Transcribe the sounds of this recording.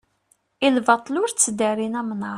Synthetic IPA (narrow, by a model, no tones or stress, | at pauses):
ilvɑt̪ˤlʊɾt͡sːd̪æɾinæmnə